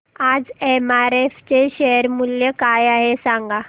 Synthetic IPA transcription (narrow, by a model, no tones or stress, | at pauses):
ad͡zemaɾeft͡ɕeɕeɦəɾmuljəkajaɦesaŋɡa